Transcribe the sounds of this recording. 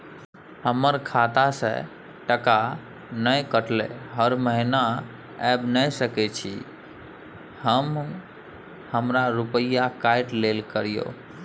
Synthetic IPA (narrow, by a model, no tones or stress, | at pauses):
həməɾkʰat̪asḛ̃ | ʈəka | nəjkəʈlḛɦəɾməɦina | ɛbnəjsəkɛt͡ʃʰi | həm | həmɾaɾupəjakaɪʈlelkəɾijo̰